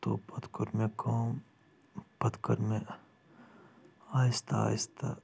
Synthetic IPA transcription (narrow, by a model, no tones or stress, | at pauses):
t̪opɐt̪kəɾmẽkaːm | pɐt̪kəɾmẽ | aːɪst̪ʰa̰ːɪst̪ʰa̰